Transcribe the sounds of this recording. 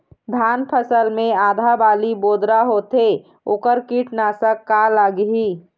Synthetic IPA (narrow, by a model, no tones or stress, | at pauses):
b̪ʱaːnpʰəsəlmẽaːd̪ʱabaːliboːd̪ɾaɦot̪e | oːkəɾkiʈnasəkːaləɡɦiː